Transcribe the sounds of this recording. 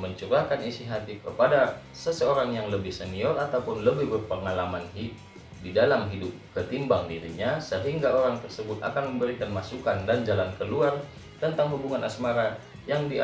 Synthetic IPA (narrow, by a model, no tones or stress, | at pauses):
məɲt͡ʃuɾakanisiɦat̪ɪfkəpada | səsəoɾaŋjaŋləbɪhsəniɔrat̪awpʊnləbɪhbərpəŋalamanɦi | didalamɦidʊp̚kət̪imbaŋdiɾḭɲasəɦiŋɡaoɾaŋt̪ərsəbʊt̪a̰kanməmbəɾikanmasukandand͡ʒalankəluar | t̪ənt̪aŋɦubuŋanʔasmaɾa | jaŋdi